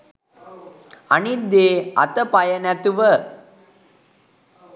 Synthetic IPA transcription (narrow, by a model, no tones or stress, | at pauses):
ɐnid̪eːɐ̰t̪ɐpɐjɐnɐt̪uʋɐ